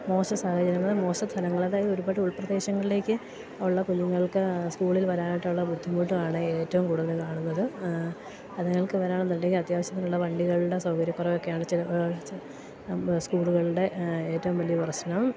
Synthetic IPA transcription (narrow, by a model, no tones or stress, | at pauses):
mo̞ːɕɐsaːhɐd͡ʑɐɾinːɐðɨmo̞ːsɐst̪ʰːɐlɐŋːɐɭɐðaːjɐðoɾubaːʈːuɭprɐd̪e̞ːɕɐŋːɐɭile̞ːkʲːɨ | ɐʋuɭːɐkuɲːuŋːɐɭkɨskuːɭilʋɐɾaːniʈːuɭːɐbud̪ʱːimuːʈːuaːɳɨeːtːɐʋumkuːɽuðɐlkaːɳunːɐðɨ | ɐðeŋːɐɭkɨʋɐɾaːɳnd̪inde̞ŋɡilɐt̪jaːʋɐɕjɐt̪ːiluɭːɐʋɐɳɖiɣɐɭuɽe̞sɐwkɐɾjɐkːurɐʋo̞kːejaːɳɨt͡ɕil | skuːɭuɣɐɭɽe̞eːtːɐʋumʋɐlijɐpɐrɐɕnɐm